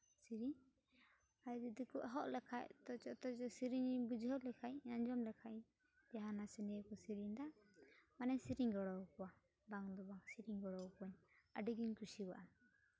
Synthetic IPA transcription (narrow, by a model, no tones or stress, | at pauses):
siɾiɲ | ajd̪id̪ikuʔɦɔʔlɛkʰaʔt̪ɔt͡ʃɔʔt̪ɔt͡ʃɔsiɾiɲbud͡ʒɦɔlɛkʰajaɲd͡ʒɔmlɛkʰajɲ | d͡ʒaɦanasɛnɛkɔsiɾiɲd̪aʔmanɛɲsiɾiɲɡɔɽɔwkɔwa | baŋd̪ɔbaŋsiɾiŋɡɔɽɔwkɔɲaɖiɡiɲkusiba̰ʔam